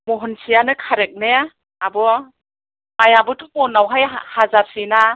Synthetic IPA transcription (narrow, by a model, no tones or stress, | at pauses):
mɔɦɔnsijanɯkʰaɾek̚ne | abɔ | ajabɯtʰumɔnawɦajhazaɾsina